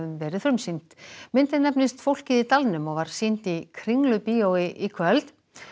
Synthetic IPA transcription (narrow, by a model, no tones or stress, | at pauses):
ʏmvɛːɾɪðθfɾʏmsim̥t̪mɪnt̪ɪnɛpnɪst̪fowl̥cɪðit̪alnʏmɔɣvaɾ̥siːn̥t̪ikʰɾiŋlʏpiːowɪʔikʰvœlt̪